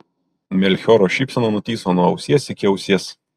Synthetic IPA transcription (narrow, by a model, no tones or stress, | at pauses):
mʲɛlʲxʲɔɾoːʃʲiːpʲsʲɛnoːnʊt̪ʲiːsoːnuɔɐʊsʲiɛsɪkʲɪɐʊsʲiɛs